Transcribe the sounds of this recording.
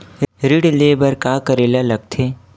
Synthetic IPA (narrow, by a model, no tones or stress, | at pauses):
ɾiɽlebəɾkaːkəɾeːlalɐɡ̚t̪ʰeː